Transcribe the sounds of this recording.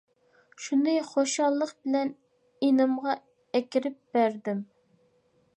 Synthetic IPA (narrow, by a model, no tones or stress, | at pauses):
ʃunɨχoʃɑlˠːəqbɪlɛn | inɨmʁɑ | ɛkʲiɾɪp̚b̥æɾd̪ɪm